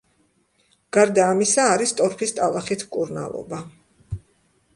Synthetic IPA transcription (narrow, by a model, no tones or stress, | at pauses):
ɡ̥aɾd̪aːmisaːɾist̪ʼɔɾpʰist̪ʼalˠaχit̪ʰkʼuɾna̰lˠɔ̰ba